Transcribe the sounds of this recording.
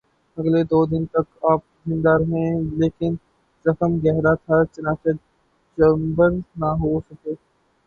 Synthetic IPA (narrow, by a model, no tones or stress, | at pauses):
ɐɡled̪oːd̪ɪnt̪ɐkaːp̚zɪ̃nd̪aːɾɦɛ̃leːkɪn | ɾɐxəmɡɛɦɾat̪ʰat͡ʃɐnaːt͡ʃe | d͡ʒəmbəɾnaɦosɐkeː